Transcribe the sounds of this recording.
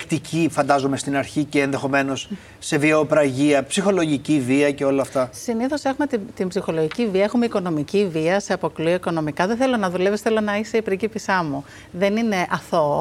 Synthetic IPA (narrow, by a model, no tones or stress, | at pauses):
kt̪icʰifɐnd̪ɐzome̞st̪inɐɾçice̞ːnðe̞xo̞me̞no̞sː | e̞viopɾɐʝiɐpsixo̞lo̞ʝiciviɐce̞o̞lɐːft̪ɐsiniθo̞se̞xumet̪it̪imbzixo̞lo̞ʝiciviɐexume̞iko̞no̞miciviɐse̞ɐpo̞klioiko̞no̞mikɐðeθe̞lo̞nɐðule̞pisθe̞lo̞nɐise̞ipɾicipisɐmu | ðe̞nine̞ʔɐθo̞